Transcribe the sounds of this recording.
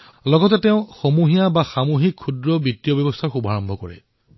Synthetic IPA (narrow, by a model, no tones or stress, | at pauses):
lɔɡɔtɛtɛʊ̃xomuɦijabaxamuɦikʰːudɹɔbitːijɔbjɔbɔstʰaxubaɹɔmbʱɔkɔɹɛ̰